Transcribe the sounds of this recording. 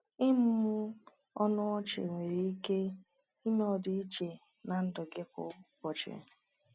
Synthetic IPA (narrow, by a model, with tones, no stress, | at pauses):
ɪ˦mʊ˦mʊ˦ | ɔ˦nʊ˦ɔ˦t͡ʃɪ̰˨ŋʷe˨ɾi˨i˦ke˦ | i˦me˦ɔ˨dʊ˨i˦t͡ʃe˨ | na˨n̩˦dʊ˨ɡɪ˦kʊ̰˦kɔ˨t͡ʃɪ̰˨